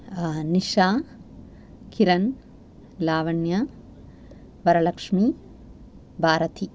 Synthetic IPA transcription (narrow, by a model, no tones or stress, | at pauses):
niʃaː | kʰiɾɐn | laːʋɐɳjɐ | ʋɐɾɐlɐkʂmi | bʱaːɾɐt̪ʰi